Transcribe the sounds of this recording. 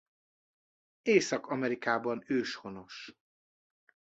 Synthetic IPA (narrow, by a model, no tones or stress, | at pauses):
eːsɒkɒmɛɾikaːbɒnøːʃho̞no̞ʃ